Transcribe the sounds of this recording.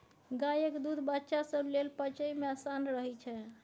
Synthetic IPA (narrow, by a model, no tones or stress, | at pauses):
ɡajəkd̪ud̪ʱbətːʃasəblelpət͡ʃəimeasanɾəɦɛt͡ʃʰɛ